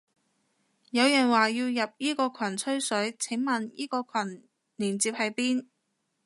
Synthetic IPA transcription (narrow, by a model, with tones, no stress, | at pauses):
jɐ˨˧wjɐ˨˩nwaː˨jiː˧wjɐ˨p̚jiː˥kɔː˧kʷʰwɐ˨˩nt͡sʰɵ˥ɥsɵ˨˥ɥt͡sʰɪ˨˥ŋmɐ˨njḭː˥kɔː˧kʰwɐ˨˩n | liː˨˩nt͡siː˧p̚hɐ˨˧jpiː˥n